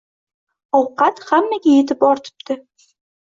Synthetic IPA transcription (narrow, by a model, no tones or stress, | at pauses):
ɒwqɑt̪hamːaɡʲajet̪ʰɪpɒɾt̪ʰɪ̥p̚t̪ʰɪ